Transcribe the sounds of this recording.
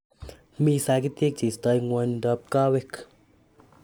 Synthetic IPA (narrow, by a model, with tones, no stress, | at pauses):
miː˧saː˧˦ki˦t̪i˦k̚t͡ʃi˨st̪a˧jŋwɔ˧ndɔ˧p̚kaː˦we˦kʰ